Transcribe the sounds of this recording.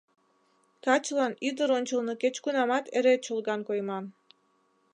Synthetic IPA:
kɑt͡ʃlˠɑnid̪ɯɾonʲt͡ʃɤ̆lˠnɯkʲet͡ɕkunɑmɑt̪eɾet͡ɕolˠɡɑnkojmɑn

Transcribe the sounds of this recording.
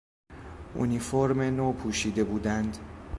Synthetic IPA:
ʔṵnifoɾmenoːpʰuːʃiːd̪e̞buːd̪ænd̪

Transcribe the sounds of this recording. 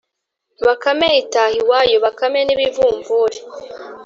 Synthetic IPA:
βakameitahiwaːjo̞βakameniβivuːɱvuɾe

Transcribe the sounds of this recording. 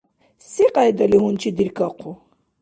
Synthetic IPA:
siqajd̪aliɦunt͡ʃʰid̪iɾkaqʰʊ

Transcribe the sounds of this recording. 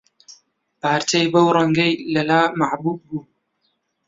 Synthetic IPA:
paːɾt̪ʰejbɐwɾˤɐŋɡɐjlɐlaːmaʕbuːb̚ːuː

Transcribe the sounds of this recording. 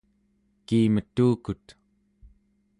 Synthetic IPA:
kiːmət̪ːuːkut̪

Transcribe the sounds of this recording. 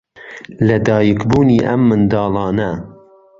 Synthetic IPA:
lɐd̪ɑːjəkbuːniːʔɐmːɨnd̪ɑːlɑːnɐ

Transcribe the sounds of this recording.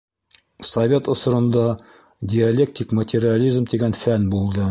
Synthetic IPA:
sɐvʲe̞t̪ŏsŏɾɤ̆nd̪ɑ | dʲɪɐlʲek̚t̪ʲikmət̪ʲɪɾʲɪalʲizmt̪iɡænfænbulˠd̪ɤ

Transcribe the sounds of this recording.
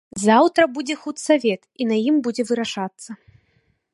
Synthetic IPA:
zawt̪ɾɐbud͡zʲɛxut̪savʲɛt̪inajimbud͡zʲɛvɨɾaʂat̪sːɐ

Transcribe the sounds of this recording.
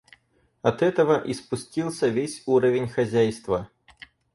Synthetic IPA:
ɐt̪ɛt̪ɐvɐʔispusʲt͡sʲilˠsʲɐvʲesʲuɾɐvʲenʲxazʲajst̪vɐ

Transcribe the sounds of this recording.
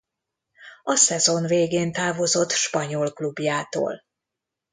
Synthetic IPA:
ɒsɛzo̞nveːɡeːnt̪aːvo̞zo̞t̪ːʃpɒɲolklubjaːt̪o̰ːl

